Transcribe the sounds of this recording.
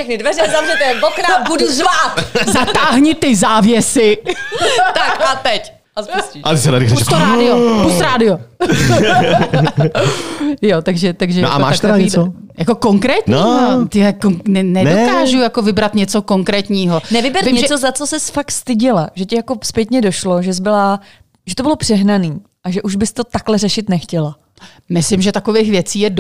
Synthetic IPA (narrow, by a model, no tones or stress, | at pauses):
ʃɛxnɪdvɛɾɛzavrɛt̪ɛbokɾabuduzvat̪zat̪aːɦɲɪt̪ɪzaːvjɛsɪ | t̪akat̪ɛc | ʔaspusciat̪ɪsɛnaɾɪxɾɛut̪oɾadɪopust̪ɾaːdɪo | jot̪aɡʒɛt̪aɡʒɛjnaʔa̰mma̰ːaʃtk̪ɛɾaɲɛit͡so | jako̞ko̞ŋkɾɛːt̪ɲiːot̪ɪɛkoŋnɛnɛndokaːʒujakovɪbɾat̪ɲɛt͡so̞koŋkɾɛːt̪ɲiːɦonɛvɪbɛɾɲɛt͡sozat͡sosɛsfakt̪st̪ɪɟɪlaʒɛcɪjakospjɛt̪ɲɛdo̞ʃloʒɛzbɪla | ʒɛt̪obɪlo̞pr̥ɛɦnaniː | ʔaʒɛʔuʒbɪst̪ot̪aklɛrɛʃɪt̪nɛxcɛla | mɪslɪmʒɛt̪akovejxvjɛt͡siːjɛd